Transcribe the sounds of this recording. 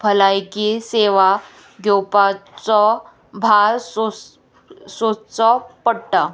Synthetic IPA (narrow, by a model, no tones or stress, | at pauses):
bʱəlajkiseʋa | ɡowpat͡sɔ | bʱaɾs | sot͡sɔpəɽʈa